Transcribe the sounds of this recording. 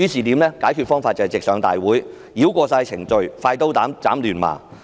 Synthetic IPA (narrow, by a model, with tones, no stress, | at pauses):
yː˨˥siː˨t̪iː˨˥mlɛː˥kaː˨˥jkʰyː˨˧t̚fɔː˥ŋfaː˧t̚t͡sɐ˨jt͡sɪ˨k̚sœː˨˧ŋt̪a̰ː˨jwuː˨˥j | jiː˨˥wkʷɔː˧saː˧jt͡sʰɪ˨˩ŋt͡ʃɵ˨˧ɥfaː˧jt̪o˥wt̪aː˨˥mt͡saː˨˥mlyː˨˩nma̰ː˨˩